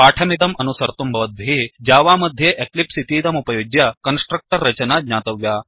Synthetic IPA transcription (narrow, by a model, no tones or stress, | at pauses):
paːʈʰɐmit̪ɐmɐnusɐɾt̪umbʱɐʋɐt̪̚bʱid͡ʒaːʋaːmɐd̪ʱjeʔeklipsit̪iːt̪ɐmupɐjoɡjɐkɐnsʈɾɐk̚ʈɐɾːɐt͡ʃɐnaːd̪ɲaːt̪ɐʋjaː